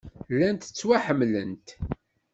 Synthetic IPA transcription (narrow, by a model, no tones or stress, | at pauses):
lːænt̪ə̥t͡sːwaħəmːlənt̪